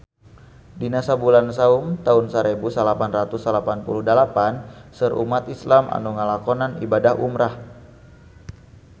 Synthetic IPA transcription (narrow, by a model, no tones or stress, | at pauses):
dinasabulansaumt̪aunsaɾebusalapanrat̪usalapanpuluhdəlapansərʔṵmat̪islamʔa̰nuŋalakɔnanḭbadaɦumɾah